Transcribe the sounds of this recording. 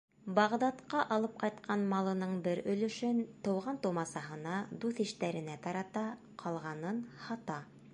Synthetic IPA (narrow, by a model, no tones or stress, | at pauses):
bɑʁd̪ɑt̪qɑʔɑlˠɤp̚qɑjt̪qʰɑnmɑlˠɤ̆nɤɴbɘɾɵ̆lɵ̆ʃɘnt̪ɤ̆wʁɑnt̪ŭmɑsɑɦɤ̆nɑd̪uθiʃt̪æɾɘ̆næt̪ɑɾɑt̪ɑ | qʰɑlˠʁɑnɤnhɑt̪ɑ